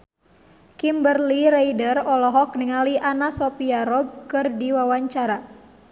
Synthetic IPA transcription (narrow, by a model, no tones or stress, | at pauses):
kimbərliɾajdərɔlɔɦɔk̚niŋaliʔanasɔpiaɾɔb̚kɨrdiwawaɲt͡ʃaɾa